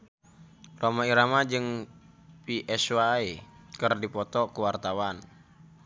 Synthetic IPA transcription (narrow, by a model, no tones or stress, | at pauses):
romaiɾamad͡ʒɨŋ | piʔɛswaikərdipɔt̪ɔkuwart̪awan